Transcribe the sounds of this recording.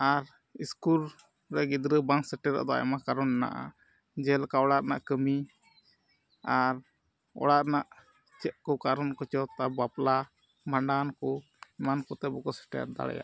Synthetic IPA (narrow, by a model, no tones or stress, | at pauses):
aɾ | iskul | ɾɛɡid̪ɾəbaŋsɛʈɛɾa̰ʔd̪ɔa̰jmakaɾɔnɛna̰ʔa̰ | d͡ʒɛlkaɔɽat̪̚na̰ʔkəmi | aɾ | ɔ̰ɽat̪naʔ | t͡ʃɛʔ̪̚kɔkaɾɔnkɔt͡ʃɔt̪abapla | maɳɖankɔ | mankɔt̪ɛbɔkɔsɛ̥ʈɛ̰a̰ɾd̪a̰ɽɛ̰ja̰ʔ